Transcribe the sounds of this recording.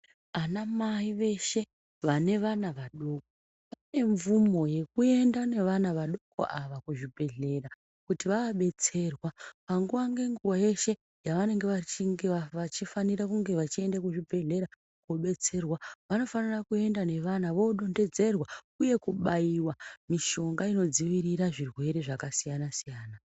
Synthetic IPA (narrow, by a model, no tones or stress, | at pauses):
anamaiʋe̞ʃe̞ | ʋane̞ʋanaʋaɗo̞k̚o | pane̞ɱvumo̞je̞kue̞ndane̞ʋanaʋaɗo̞ko̰ʔaʋakuʐibʱe̞ɮe̞ra | kutiʋakaɓe̞t͡se̞rwapaŋɡuʋaŋɡe̞ŋɡuwaje̞ʃe̞ | jaʋane̞ŋɡe̞ʋat͡ʃiŋɡeaʋat͡ʃifanirakuŋɡe̞ʋat͡ʃie̞ndakuʐibʱe̞ɮe̞ɾa | koɓe̞t͡se̞rwaʋano̞fanirakue̞ndane̞ʋanaʋo̞ɗo̞nde̞d͡ze̞rwa | uje̞kuɓaiwamiʃo̞ŋɡaino̞d͡ziʋiɾiɾaʐirwe̞ɾe̞ʐakasijanasijaːna